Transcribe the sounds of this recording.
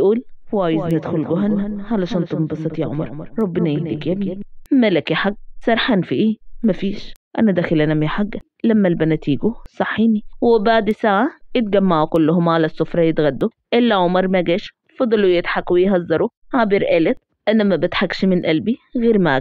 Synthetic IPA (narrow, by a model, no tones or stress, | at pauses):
jʔuːlhwaːjɪznɪd̪xʊlɡʊɦanhalaʃɑnt̪ˤʊbɑsˤɨt̪ˤjaʕʊmɑ̰ɾˤɾˤɾˤɑbːɪnaʔɪnd̪ikjabimalakjaħaɡːsˤɑɾˤħanfiʔiːmafiːʃʔa̰nad̪axɪlʔanamjaħaɡːa | lamːalbanat̪iːɡusˤɑħːiːniwɪbaʕd̪isaʕajɪt̪̚ɡamːaʕukʊlːʊhʊmʕalasːʊfɾˤɑjɪt̪ɣad̪ːu | ʔɪlːaʕʊmɑɾˤmaɡeːʃ | fɑd̪ˤːɑlujɪt̪ħakwijɦɑzːɑɾˤuhabɪɾʔelɪt̪̚ | ʔanamabɪt̪ħakʃmɪnʔalbiɣeːɾma